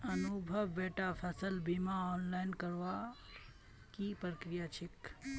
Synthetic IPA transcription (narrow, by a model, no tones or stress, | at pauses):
ənubʱəʋːeːʈapʰəsəlbimaɔːnlaɪnkəɾʋa | kipɾəkɾijat͡ʃʰik